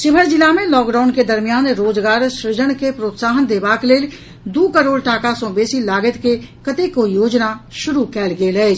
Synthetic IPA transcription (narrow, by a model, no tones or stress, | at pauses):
ʃɪbʱəɾd͡ʒɪlamẽlɔːkɖaːʊnked̪əɾmijaːnɾoːd͡ʒɡaːɾʃɾɪd͡ʒəɽ̃kepɾoːt̪saːɦənd̪eːbaːkleːl | d̪uːkəɾoːɽʈaːkasõbeːsilaːɡət̪kekət̪ekojoːd͡ʒnaʃʊɾukɛːlɡeləe